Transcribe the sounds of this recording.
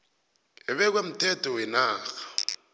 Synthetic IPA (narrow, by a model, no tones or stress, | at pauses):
ɪɓɛk̬wem̩tʰʼɛtʰʼɔwɪnaːɣḁ